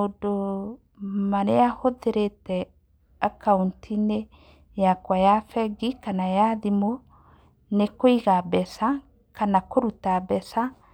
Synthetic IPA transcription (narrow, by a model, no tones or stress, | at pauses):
odo | maneahoðeɾetɛ | akauntʰine | jakwajafɛɡikanajaðimo | nekoiɣabɛsa | kanakoɾutabɛsa